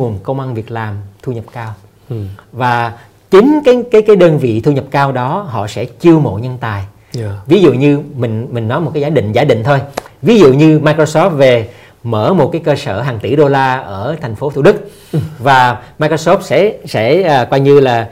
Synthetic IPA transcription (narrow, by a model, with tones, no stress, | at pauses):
u˨˩ənkə˧wŋ͡mʔa˧nvi˨˩ək̚laː˨˩mt̪ʰu˧ɲə˨˩p̚kaː˧w | vaː˨˩ | t͡ɕï˨˦ŋ̟kaː˨˦jkaː˨˦jkaː˨˦jɗəː˧nvḭ˧˨t̪ʰu˧ɲə˨˩p̚kaː˧wɗɔ˨˦hɔ̰˧˨sɛ̰˧˥t͡ɕi˧əwmo̰˧˨ɲə˧nt̪aː˨˩j | vi˨˦zṵ˧˨ɲɨ˧mï˨˩ŋ̟mï˨˩ŋ̟nɔ˨˦m̚˨˩kaː˨˦zaː˨˦ɗḭ̈˧˨ŋ̟zaː˨˦ɗḭ̈˧˨ŋ̟t̪ʰo˧jvi˨˦zṵ˧˨ɲɨ˧maː˧jko˧sɔ˦˥p̚ve˨˩ | məː˧˩mo˨˩t̚kaː˨˦jkəː˧səː˧˩ɦaː˨˩ŋt̪i˧˩ɗo˧laː˧ʔəː˧˩t̪ʰɛ˨˩jŋ̟fo˨˦t̪ʰṵ˧˩ɗɨ˦˥k̚ | vaː˨˩maː˧ko˧sɔ˦˥pt̚sɛ̰˧˥sɛ̰ː˧˥˨kwaː˧jɲɨ˧laː˨˩